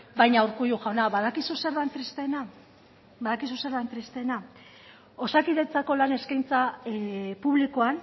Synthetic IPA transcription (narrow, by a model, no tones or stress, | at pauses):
bajɲauɾkujuʝaonaβaðakisuse̞ɾðant̪ɾist̪e̞na | baðakis̬useɾðant̪ɾist̪e̞na | o̞sakiðe̞t͡sako̞lane̞skajnt͡sa | puβlikoan